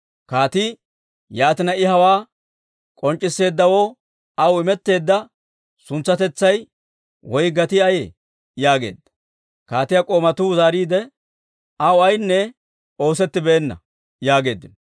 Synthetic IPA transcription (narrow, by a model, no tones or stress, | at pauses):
kaːt̪ɪ | jaːt̪ɪnɐɪɦɐwaː | kʼɔnt͡ʃʼːɪsːe̞ːd̪ːɐwoː | ɐwɪmɛt̪ːe̞ːd̪ːɐ | sʊnt͡sːɐt̪ɛt͡sːɐj | wɔjɡɐt̪ɪɐje | jaːɡe̞̰ːd̪ːɐ̥ | kaːt̪ɪjɐkʼo̞ːmɐt̪uzaːɾiːd̪ɛ | ɐwɐjnːɛ | o̞ːsɛt̪ːɪbɛːnːɐ̰ | jaːɡe̞ːd̪ːɪnɔ